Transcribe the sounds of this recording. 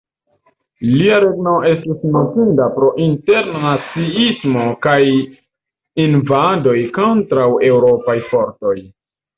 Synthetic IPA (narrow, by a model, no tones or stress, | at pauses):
liaɾe̞ɡno̞e̞stisnotindapɾo̞ʔinte̞ɾnnat͡siismo̞kaj | invado̞jko̞ntɾawe̞wɾo̞pajfo̞ɾto̞j